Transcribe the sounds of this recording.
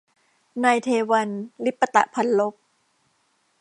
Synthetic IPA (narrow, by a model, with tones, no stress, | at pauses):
naː˧jt̪ʰeː˧wa˧nli˦˥pːa˧t̪a̰˨˩ʔpʰa˧nlo˦˥p̚